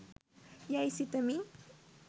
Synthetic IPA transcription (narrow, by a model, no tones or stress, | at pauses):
jaisit̪əmi